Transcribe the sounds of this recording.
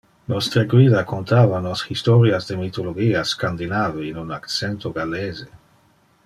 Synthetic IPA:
nost̪ɾaɡwiðakont̪avanoshist̪oɾjazd̪emit̪oloɡiaskand̪inaveinunakt͡sent̪oɡaleze

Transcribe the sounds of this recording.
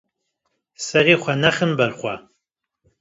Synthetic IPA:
sɐʁiːχʷɐnɐχɨmbɐrχʷɐ

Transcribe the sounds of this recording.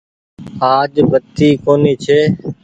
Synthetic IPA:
aːd͡ʒbʱət̪iːkoːniːt͡ʃʰeː

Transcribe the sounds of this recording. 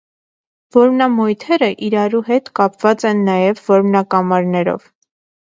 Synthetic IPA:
vɔɾmnɑmɔjt̪ʰɛɾəʔiɾɑɾuɦɛt̪kɑpv̥ɑt͡sɛnːɑjɛvːɔɾmnɑkɑmɑɾnɛɾɔ̰v

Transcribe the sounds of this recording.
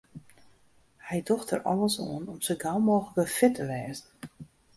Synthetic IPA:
hɛjdɔxtə̰rʔɔ̰ləso̰ənɔmsəɡalˠmɔːxləkəfɪtəʋɛːzn̩

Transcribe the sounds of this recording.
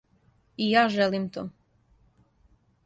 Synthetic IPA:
ijaːʒelimt̪o̰ː

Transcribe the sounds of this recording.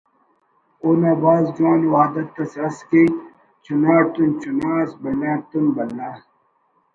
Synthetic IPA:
oːnaːbaːzd͡ʒuwaːnwaːd̪ɐt̪ːɐsɐske | t͡ɕʰunaːt̪unt͡ɕunaːsbɐlːãːt̪unbɐlːaː

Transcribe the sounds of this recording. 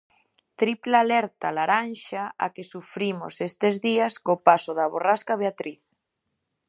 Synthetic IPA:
t̪ɾiplalɛɾt̪alaɾanʃaa̰kesufɾimo̰sest̪ezðiaskopasoðaβoraskaβ̞eat̪ɾiθ

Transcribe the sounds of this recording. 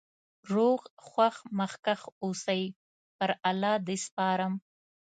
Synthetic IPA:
ɾoɣxwaxməxkaxosəj | pəɾalɑd̪espɑːɾəm

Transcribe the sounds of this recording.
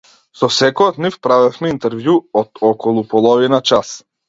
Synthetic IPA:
sɔsɛkɔjɔt̪nifpɾavɛfmɛint̪ɛɾvjuɔd̪ɔkɔlˠupɔlˠɔvinat͡ʃas

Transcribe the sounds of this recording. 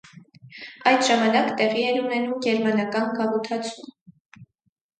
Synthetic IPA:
ɑjd̪ʒɑmɑnɑkt̪ɛʁiɛnunɛnumɡɛɾmɑnɑkɑnɡɑvut̪ʰɑt͡sʰum

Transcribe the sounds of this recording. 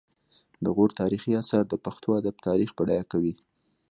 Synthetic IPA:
d̪əɣoɾt̪ɑɾixiasaɾd̪əpaxt̪oad̪abt̪ɑɾixbəɽajakawi

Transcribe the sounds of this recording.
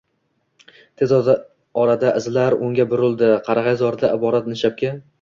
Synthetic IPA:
t̪ʰe̞z | ɒɾad̪aʔɪzlaɾʊŋɡʲabʊɾɪlˠd̪ɪqʰɑɾʁɑjzɒɾɪd̪aʔɪbɒɾat̪nɪʃap̚kʲa

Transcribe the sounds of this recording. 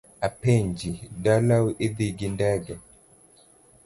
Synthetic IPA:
apeɲd͡ʒidalawuʔed̪iɡindɛɡɛ

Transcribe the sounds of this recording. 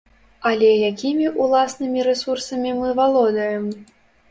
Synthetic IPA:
alʲɛjakʲimʲiʔulˠasnɨmʲiɾɛsursɐmʲimɨvalˠɔd̪ɐjɛm

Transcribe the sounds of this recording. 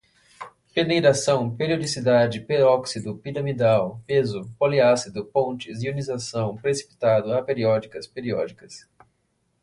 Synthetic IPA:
penejɾasɐ̃w̃peɾiod͡ʒisid̪ad͡ʒɪpeɾɔksid̪ʊpiɾɐmid̪awpezʊpoliasid̪ʊpõnt͡ʃɪziunizasɐ̃w̃pɾesi̥pi̥t̪ad̪ʊapeɾiɔd͡ʒikɐspeɾiɔ̰d͡ʒikɐs

